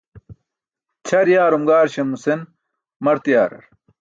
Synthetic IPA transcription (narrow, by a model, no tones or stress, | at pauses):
t͡ɕʰɐɾjaːɾumɡaːɾɕɐmusen | mɐɾt̪ijaːɾɐ̰ɾ